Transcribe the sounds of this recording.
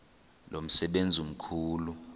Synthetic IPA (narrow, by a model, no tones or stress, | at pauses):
lom̩sɛɓend͡zʱum̩kʰuːlu